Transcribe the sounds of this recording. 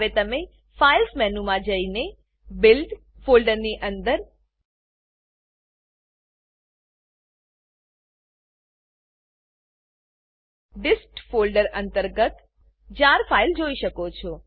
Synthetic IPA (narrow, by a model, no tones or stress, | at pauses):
ʋet̪əme | failsmɛnumãd͡ʒəine | bɪlɖ | folɖəɾniʔənd̪əɾ | ɖɪsʈfolɖəɾənt̪əɾɡət̪ | d͡ʒaɾfʰaild͡ʒoiʃəkot͡ʃʰɔ